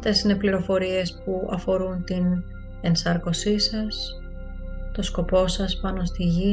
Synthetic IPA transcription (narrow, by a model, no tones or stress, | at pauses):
ft̪e̞sine̞pliɾo̞fo̞ɾie̞spuʔɐ̰fo̞ɾunt̪in | e̞nsɐɾko̞sisɐs | t̪o̞sko̞po̞sɐspɐno̞st̪iʝi